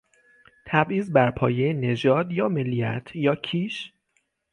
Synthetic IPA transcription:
t̪ʰæbʔiːzbæɾpʰɒːjejene̞d͡ʒɒːd̪jɒːmelːijæt̪ʰjɒːcʰiːʃ

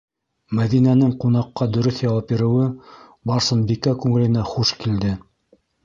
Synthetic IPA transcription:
mæðinænɘŋqun̪ɑqːɑd̪ɵ̆ɾɵθjɑwɑpiɾɘ̆wɘ | bɑɾsɤ̆nbikækʉŋɘ̆lɘ̆næχuʃkild̪ɘ

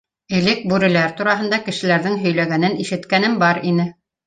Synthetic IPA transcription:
ɘ̆lɘk̚bʉɾɘ̆læɾt̪uɾɑɦɤ̆nd̪ɑkɘ̆ʃɘ̆læɾðɘŋɦɵ̆jlæɡænɘniʃɘ̆t̪kænɘmbɑɾinɘ

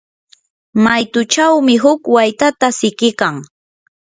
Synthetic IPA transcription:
majt̪ʊt͡ʃawmɪɦʊkwajt̪at̪asɪkɪkaŋ

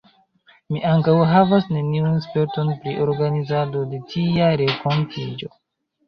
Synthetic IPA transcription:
miʔaŋkawɦavasne̞niunspe̞ɾto̞npɾiʔo̞ɾɡanizado̞de̞tʰiaɾeko̞ntʰid͡ʒo̞̰

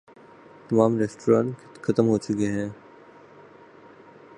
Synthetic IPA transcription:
t̪ɐmaːmɾɛːsʈoɾãːɳʈkkʰɐt̪əmɦoːt͡ʃʊkeɦɛ̃ː

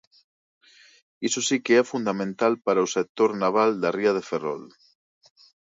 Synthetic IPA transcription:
isosikeɛfund̪amẽnt̪alpaɾawsek̚t̪oɾnaβ̞ald̪ariaðeferɔ̰l

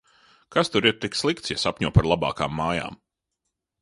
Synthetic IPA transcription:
kast̪uɾiɾt̪ikslˠikt̪sjasapʲɲuɔpaɾlˠaba̰ːka̰ːmːaːja̰ːm

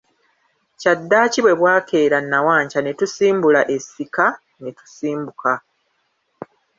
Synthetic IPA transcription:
cadːaːciβwe̞βwaːkʰe̞ːɾanːawaːɲcane̞tusiːmbulaʔe̞sika | netu̥siːmbuka

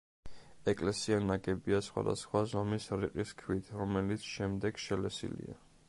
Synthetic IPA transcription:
ɛkʼlɛsianaɡɛbiasχwa̰d̪a̰sχwazɔmisɾiqʼiskʰwit̪ʰɾɔmɛlit̪sʰʃɛmd̪ɛɡ̥ʃɛlɛsḭlḭa

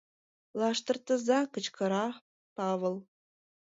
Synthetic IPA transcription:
lˠɑʂt̪ɤ̆rt̪ɤ̆zɑkɤ̆t͡ɕkʰɤ̆ɾɑ | pɑʋɤ̆lˠ

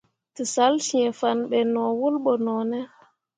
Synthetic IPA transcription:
tisalsiɛfanɓɛnɔwulɓɔnɔnɛ

